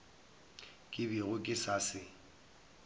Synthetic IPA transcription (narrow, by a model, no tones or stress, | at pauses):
kʼɪbiɣʊkʼɪsasɪ